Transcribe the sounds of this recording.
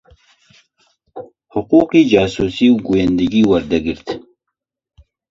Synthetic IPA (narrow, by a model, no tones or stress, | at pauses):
hʊquːqid͡ʒɑːsusiwɡujand̪iɡiwaɾd̪aɡɨɾt̪